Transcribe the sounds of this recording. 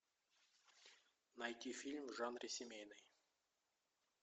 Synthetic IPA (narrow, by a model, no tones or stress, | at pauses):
nɐjtʲifʲilʲmvʐanɾʲɪsʲɪmʲejnɨj